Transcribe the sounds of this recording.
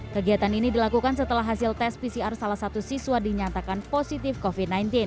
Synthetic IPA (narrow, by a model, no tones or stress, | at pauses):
kəɡiɦat̪aninidilakukans̬ət̪əlaɦasɪlt̪ɛs̚pisiarsalahsat̪usisuadiɲat̪akanposit̪ɪfkofid̚najnt̪ɪn